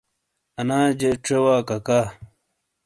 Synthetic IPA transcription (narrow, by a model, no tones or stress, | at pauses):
ɐnaːd͡ʑeʈ͡ʂewaːkɐkaː